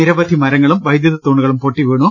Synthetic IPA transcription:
iɾɐbɐd̪ʱimɐɾɐŋːɐɭumʋɐjd̪jɐðɐt̪ːoːɳːuɣɐɭumpoːʈːiʋeːɳu

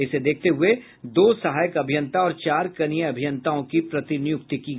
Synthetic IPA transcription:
ɪsed̪eːk̚ʰt̪eɦʊe | d̪oːsɐɦaːjəkɐbʱɪjə̃nt̪aɔːɾt͡ʃaːɾkɐnijəɐbʱɪjə̃nt̪aõkipɾɐt̪injʊkt̪ikiː

